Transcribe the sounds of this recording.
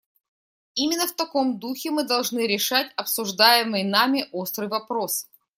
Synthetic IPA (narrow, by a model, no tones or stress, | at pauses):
imʲɪnːəft̪ɐko̞md̪uxʲɪmɨd̪ɐlˠʐnɨɾʲɪʂatʲɐpsʊʐd̪ajɪmɨjnamʲɪʔo̞st̪ɾɨjvɐpɾo̞s